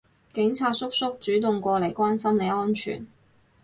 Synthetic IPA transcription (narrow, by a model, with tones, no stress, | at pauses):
kɪ˨˥ŋt͡sʰaː˧t̚sʊ˥k̚sʊ˥k̚t͡ʃyː˨˥t̪ʊ˨ŋkʷɔː˧le˨˩jkʷwaː˥nsɐ˥mle˨˧jɔː˥nt͡ʃʰy̰ː˨˩n